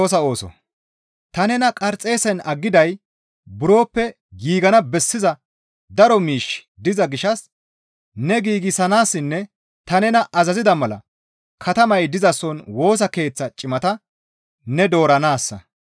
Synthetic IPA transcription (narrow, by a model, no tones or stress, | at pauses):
oːs̬ɐo̞ːsɔ̰ | t̪ɐnɛnɐkʼɐɾt͡sʼːe̞ːsɛnɐɡːɪd̪ɐj | bʊɾo̞ːpːɛ | ɡiːɡɐnɐbɛsːɪzɐ | d̪ɐɾɔmiːʃ | d̪ɪzɐɡɪʃɐs | nɛɡiːɡɪsɐnaːsːɪnːɛ | t̪ɐnɛnɐʔɐzɐzɪd̪ɐmɐlɐ̰ | kʰɐt̪ɐmɐjd̪ɪzɐsɔnwo̞ːs̬ɐke̞ːt͡sːɐt͡ʃʼɪmɐt̪ɐ | nɛd̪o̞ːɾɐnaːsːɐ̰